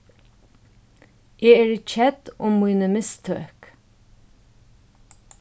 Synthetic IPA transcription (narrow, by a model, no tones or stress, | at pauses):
ʔeːeːɹic͡çɛd̪̥ʊmːuɪnəmɪst̪ʰø̰ːk